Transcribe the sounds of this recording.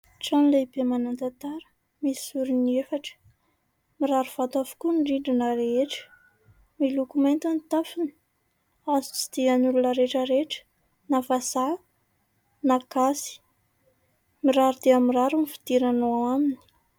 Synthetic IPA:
ʈ͡ʂanilebemanand̪at̪aɾə̥ | misi̥suɾiniefaʈ͡ʂə̥ | miɾaɾuv̥at̪avu̥kunɖ͡ʐiɳɖ͡ʐinəɾeeʈ͡ʂə̥ | milukument̪anit̪afini̥ | azut͡si̥d̪̥ianulunəɾeʈ͡ʂəɾeʈ͡ʂə̥ | nafasa | nakasi̥ | miɾaɾud̪eamiraɾunifi̥d̪̥iɾanoaamini̥

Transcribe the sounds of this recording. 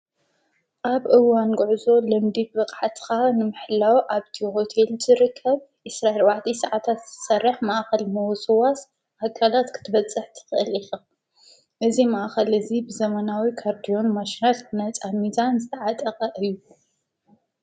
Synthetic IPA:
ʔaβʔɨwːanɡɨʕzo̞lɨmd̪ibbɨqʼʕat̪ʰkanɨmɨħlawʔaβt̪ʰihot̪ʰelzʰɨɾɨkʰːɐβ | ʔɨsɾaelwaʕt̪ʰisɐʕat̪ʰat̪z̥ɨ̥t̪ʰsɐrːɨħmaʔxɐlmɐwsɨwas | ʔakʰːalat̪kʰɨ̥t̪ʰɨβɐt͡sʼːɨħt̪ʰɨ̥xɨʔɨlixa | ʔɨzimaʔxɐlɨzibɨzɐmɐnawikʰaɾd̪ijo̞nmaʃinalnajt͡sʼamizanzɨt̪ʰɐʕat̪ʼɐqʼɐʔɨjːu

